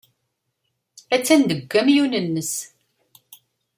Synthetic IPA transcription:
æt͡sːænd̪əɡʷːæmjunənːəs

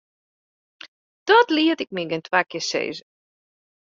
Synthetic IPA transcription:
d̥ɔtliətɪk̚miɡɛntʰʋakjɪsḛːzə

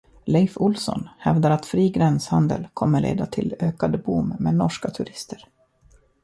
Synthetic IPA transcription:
lɛɪfʊlsɔ̰nhɛvd̪aɾat̪fɾiːɡɾɛnshand̪ə̰lkʰɔmːəɭḛːd̪at̪ʰɪløːkad̪əbʊmmeːnɔʂkat̪ʰɵɾɪst̪ʰəɾ

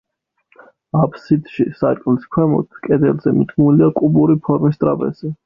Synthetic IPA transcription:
apʰsit̪ʃisakʼliskʰwɛmɔ̰t̪ʰkʼɛd̪ɛlzɛmid̪ɡumiliakʼubuɾipʰɔɾmis̬t̪ʼɾa̰bɛ̰zɛ

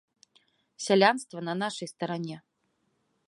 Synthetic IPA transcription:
sʲalʲanst̪vɐnɐnaʂɐjst̪ɐɾanʲɛ

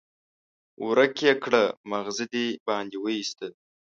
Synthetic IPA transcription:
wɾəkjekɽəmaɣzid̪ibɑːnd̪iwəjist̪ə

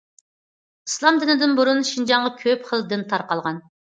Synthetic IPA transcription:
islˠɑmd̪ɪnɪd̪ɪnbuɾunʃind͡ʒɑɴʁɑkʲʰøpχəlˠd̪ɪnt̪ʰɑɾqɑlˠʁɑn

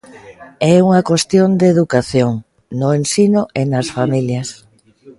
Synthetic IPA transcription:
ɛuŋɐkwest̪jond̪eðukaθjoŋ | nʊensinʊʔenasfamiljɐs

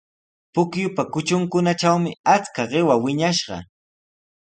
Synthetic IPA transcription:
pʊkjʊpakʊt͡ʃʊŋkʊnaʈ͡ʂawmɪat͡skaɢɪwawɪɲaʃɢɑ̰

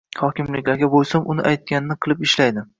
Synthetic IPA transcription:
hɒkʲɪmlɪkʲlaɾɡʲabojsamʊnɪ̰ʔajt̪̚kʲanɪnɪqʰɨlˠɪpɪʃlajd̪ɪ

